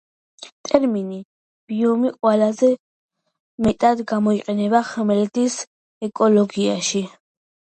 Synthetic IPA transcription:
t̪ʼɛɾmini | b̥iɔmiqʼwɛlazɛ | mɛt̪ʼad̪ɡamɔiqʼɛnɛbaχmɛld̪is | ɛkʼɔlɔɡia̰ʃi

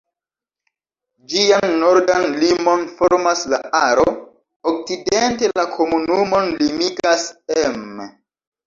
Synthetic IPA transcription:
d͡ʒianːo̞ɾdanlimo̞nfo̞ɾmasla̰aɾo | ok̚t͡side̞nte̞lakʰo̞munumo̞nlimiɡasem

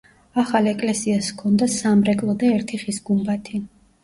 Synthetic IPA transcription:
aχalɛkʼlɛsiaskʰɔnd̪asamɾɛkʼlˠɔd̪aɛɾt̪ʰiχisɡumbat̪ʰi

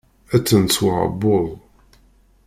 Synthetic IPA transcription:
æt͡sːənt͡sːwɑʁə̰bːʊðˤ

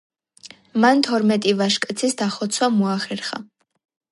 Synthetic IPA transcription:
mant̪ʰɔɾmɛt̪ʼivaʃkʼt̪sʰisd̪aχɔt̪sʰwamuaχɛɾχa̰

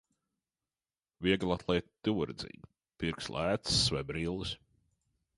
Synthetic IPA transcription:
viɛɡlˠat̪ʰlˠiɛt̪d̪̥uɾd̪z̥ḭɲʲ | piɾkslˠæːt̪sːvɛbɾiːlˠɨs

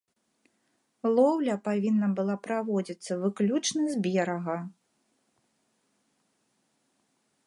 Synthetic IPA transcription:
lˠɔwlʲɐpavʲinːɐbɨlˠapɾavɔd͡zʲit̪sːɐvɨklʲut͡ʂnɨzʲbʲɛɾɐɣɐ

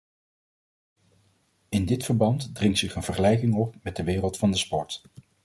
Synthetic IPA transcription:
ɪndɪtfəɹbɑntdrɪŋtsɪχənv̥əɹχəlɛjkɪŋɔpmɛt̚dəʋɪːrəlˠtfɑndəspɔɹt

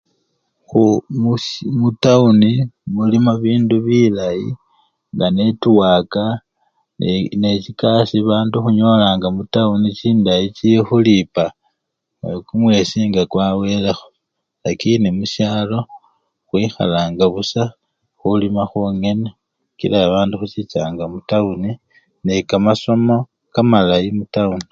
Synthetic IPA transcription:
xumumutaunimulimaβiːnduβilaji | ŋɡane̞tuwaːka | ne̞t͡ʃikasiβaːnduxuɲo̞laːŋɡamutaunit͡ʃiːndajit͡ʃijexulipa | kumwe̞ːsiːŋɡakwaːwe̞lexo̞̥ | lakinimusjaːlo̞ | xwiːxa̰laːŋɡaβusa | xulimaxoːŋe̞ne | kḭlaːβaːnduxut͡ʃit͡ʃaːŋɡamutauni | nekamaso̞mo̞ | kamalajimutauni

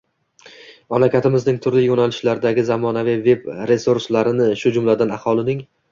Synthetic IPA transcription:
malakʲʰat̪ʰɪmɪznɪŋt̪ʰʊɾlɪjonalɪʃlaɾd̪aɡʲɪzamɒnavijve̞bɾe̞suɾslaɾɪnɪʃʊd͡ʒʊmlad̪anahɒlˠɪnɪŋ

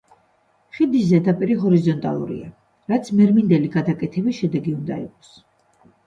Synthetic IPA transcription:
χid̪isd̪ɛd̪apʼiɾiɦɔɾizɔnt̪ʼa̰lˠṵɾḭa̰ | ɾat̪sʰmɛɾmind̪ɛliɡad̪akʼɛt̪ʰɛbiʃɛd̪ɛɡiund̪a̰ḭqʼɔ̥s

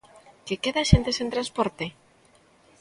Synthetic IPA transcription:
kekeðaʃent̪esent̪ɾanspoɾt̪e

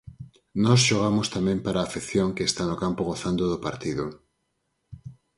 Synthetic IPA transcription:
nɔs̬ʃoɣ̞amʊst̪amẽmpaɾaːfiθjoŋkeːst̪anokampoɣoθand̪oðopaɾt̪iðo

